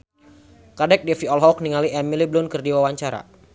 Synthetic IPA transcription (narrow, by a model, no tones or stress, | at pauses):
kadɛk̚dɛfiɔlɦɔk̚niŋaliɛmiliblʊnkɨrdiwawaɲt͡ʃaɾa̰